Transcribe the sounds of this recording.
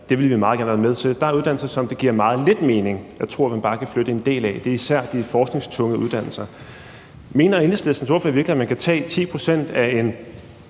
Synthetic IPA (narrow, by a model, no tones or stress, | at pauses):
d̥e̝ʋe̝lʋimɑ̈ːð̩ˠɡ̥æɐnʋæːnmeð̞ˠt͡sʰe̝ld̥ɑ̈æɐuðˠd̥æn̰l̩sɐsɒ̽md̥e̝ɡ̥iɐ̰mɑ̈ːð̞̩ˠle̝d̥me̝ːne̝ŋjɑ̈ɪt͡sʰʁo̝ɐ̰mænbɑ̈ːkʰæfløɾ̥əe̝nd̥e̝̰ːlæd̥e̝ɐisæɐ̰d̥ifɒːsɡ̥ne̝ŋst͡sʰɔ̽ŋəuð̞ˠd̥æn̰l̩sɐ | me̝̰ːnɐeneslesd̥n̩sʰʋɒ̰fɒɐʋiɐɡliæmænkʰæt͡sʰɛ̰ːt͡sʰḭːpʰʁo̝sen̰d̥æe̝n